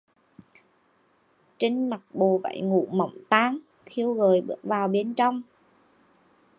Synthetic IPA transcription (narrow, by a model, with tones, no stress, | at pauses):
t͡ɕi˧ŋ̟ma˨˩k̚ɓo˨˩va̰˧˩jŋṵ˧˨˥mə̰˧˨wŋ͡mt̪aː˧ŋ | xi˧əwɣəː˨˩jɓɨ̰˦˥ək̚vaː˨˩wɓe˧nt͡ɕɔ˧wŋ͡m